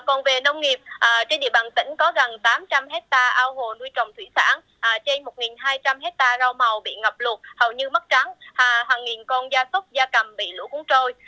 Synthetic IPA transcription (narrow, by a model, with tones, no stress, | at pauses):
kɔ˨˩nve˨˩nə˧wŋ͡mŋi˨˩əp̚ʔəː˨˩t͡ɕe˧nɗḭ˧˨əɓaː˨˩nt̪ï˧˥ŋ̟kɔ˨˦ɣə˨˩ŋt̪aː˨˦mt͡ɕa˧mhe˦˥t̚t̪aː˧ʔaː˧wɦo̰˧˨nu˧əjt͡ɕɔ̰˨˩wŋ͡mt̪ʰwḭ˧˩sa̰ː˧˥n | ʔːt͡ɕe˧nmo˨˩t̚ŋi˨˩nɦaː˧jt͡ɕa˧mɦe˦˥t̚t̪aː˧zaː˧wma˨˩wɓḭ˧˨ŋə˨˩p̚lu˨˩t̚hə˨˩wɲɨ˧mə˦˥t̚t͡ɕa˨˦ŋhɦaː˨˩ŋːi˨˩nkɔ˧nzaː˧sə˦˥k͡pp̚zaː˧kə˨˩mɓḭ˧˨lṵ˧˥kʊ˨˦ŋt͡ɕo˧j